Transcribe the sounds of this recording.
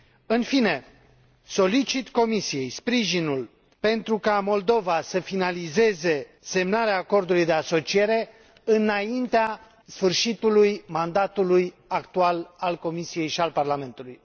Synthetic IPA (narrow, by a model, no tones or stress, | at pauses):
ɨnfine̞ | so̞lit͡ʃit̪ko̞misije̞jspɾiʒinul | pe̞nt̪ɾukamo̞ld̪o̞vasəfinalize̞ze̞ | se̞mnaɾeaːko̞rd̪ulujd̪e̞aso̞t͡ʃie̞ɾe̞ | ɨnaint̪ea | sfɨrʃit̪ulujmand̪at̪uluj | akt̪ualalko̞misije̞jʃialparlame̞nt̪uluj